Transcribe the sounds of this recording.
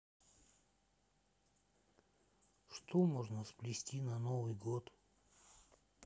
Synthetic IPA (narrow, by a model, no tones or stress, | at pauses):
ʂt̪ʰomoʐnəsplʲɪsʲtʲinanovɨjɡot̪